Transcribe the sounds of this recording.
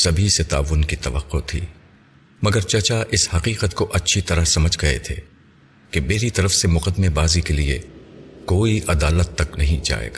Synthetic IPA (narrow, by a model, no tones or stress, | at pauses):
sɐbʱiset̪a̰ːʋʊnkit̪ɐʋə̰qːot̪ʰḭː | mɐɡəɾt͡ʃɐt͡ʃaʔɪshɐqiːqət̪koʔɐtːʃʰit̪ɐɾəɦsɐməd͡ʒʱɡɐḛt̪ʰḛː | kebeːɾit̪ɐɾəfsemʊqəd̪mebaːzikeliḛkoːiʔɐd̪aːlət̪ːɐknɐɦĩd͡ʒa̰ːḛːɡaː